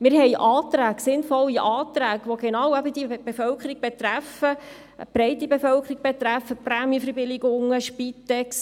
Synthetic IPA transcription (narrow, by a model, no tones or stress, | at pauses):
mɪɾhɛɪʔɑːt̪ɾæːɡsɪnfɔlːiʔɑːt̪ɾæːɡʋoɡenɑwæbəd̥̪iəb̥efœlkʰəɾiɡ̚b̥et̪ɾæfə | b̥ɾɛɪt̪ibefœlkʰəɾiɡ̥̚b̥et̪ɾæfːəpræmiəfəɾbɪlɪɡʊŋːəʃpit̪ɛks